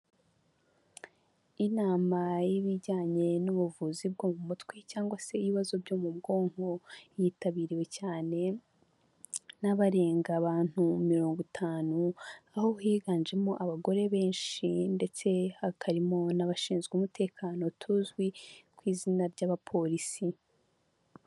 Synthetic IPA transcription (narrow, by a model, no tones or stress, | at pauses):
inaːmajiβiɟaːɲe̞nuβuvuzib̚ɡoːmumutkwecaːŋɡwase̞iβiβazo̞bɟo̞ːmubɡo̞ːŋ̥ho̞jitaβiːɾiwe̞caːne̞ | naβaɾe̞ːŋɡaβaːn̥humiɾo̞ːŋɡutʰaːnuaho̞heːɡaːɲd͡ʒe̞moʔaβaɡo̞ɾe̞βe̞ːnʃinde̞t͡se̞hakʰaɾimo̞naβaʃiːnzɡeuːmute̞ːkʰaːno̞tʰuzɡwikwiːzinaɾɟaβapʰo̞ɾisi